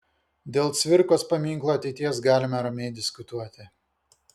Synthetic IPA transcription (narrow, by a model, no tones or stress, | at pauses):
d̪ʲeːlˠt̪sʲʋʲɪɾkoːspɐmʲiŋklˠoːɐt̪ʲɛɪt̪ʲiɛsɡɑːlʲɪmɐɾɐmʲɛɪd̪ʲɪskʊt̪uɔt̪ʲɪ